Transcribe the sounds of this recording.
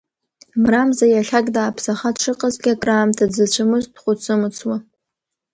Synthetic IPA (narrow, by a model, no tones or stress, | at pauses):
mramzajaɬakʼdaːpʰsaχaʂɨqʼazɡʲakʼraːmtʰad͡zɨt͡ɕʷʰɨmɨzdχʷʊt͡sʰɨmɨt͡sʰwa